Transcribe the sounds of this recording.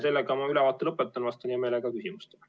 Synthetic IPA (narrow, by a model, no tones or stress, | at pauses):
se̞lːeɡɑmɑylɛvɑːt̪ːˑelɤpːˑet̪ːˑɑnvɑst̪unʲime̞ːleɡɑkysimust̪e